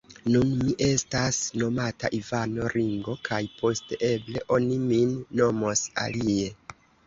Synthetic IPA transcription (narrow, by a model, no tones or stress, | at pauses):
nunmiʔe̞stasno̞mata̰ʔivano̞ɾiŋɡo̞kʰajpo̞steʔe̞ble̞ʔo̞niminːo̞mo̞sa̰lie̞